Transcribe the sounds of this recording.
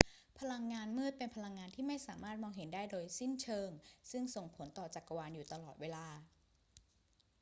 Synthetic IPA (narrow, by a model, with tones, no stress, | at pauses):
pʰa˧la˧ŋːaː˧nmɯ˥˩t̪̚pe˧npʰa˧la˧ŋːaː˧nt̪ʰiː˥˩ma˥˩jsaː˩˦maː˥˩t̪̚mɔː˧ŋɦe˩˦ndaː˥˩jdoː˧jsi˥˩nt͡ɕʰɤː˧ŋsɯ˥˩ŋso˨˩ŋpʰo˩˦nt̪ɔː˨˩t͡ɕa˨˩kːa˧waː˧njuː˨˩t̪a˧lɔː˨˩t̪̚weː˧laː˧